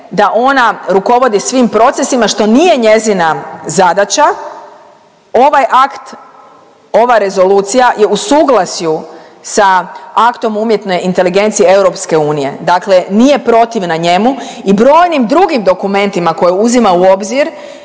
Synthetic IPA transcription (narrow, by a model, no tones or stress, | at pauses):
d̪aʔo̞naɾuko̞ʋo̞d̪isʋimpɾo̞t̪se̞simaʃt̪o̞nije̞ɲe̞zinazad̪at͡ʃa | o̞ʋajʔakt̪ | o̞ʋaɾe̞zo̞luːt̪sijaje̞usuːɡlˠasjusaakt̪o̞mumje̞t̪no̞jint̪e̞liɡe̞nt̪siie̞wɾo̞pske̞uːnije̞̰d̪akle̞nije̞pɾo̞t̪iʋnaɲe̞muibɾo̞ːjnimd̪ɾuɡimd̪o̞kume̞nt̪imako̞jeuzimauo̞bziɾ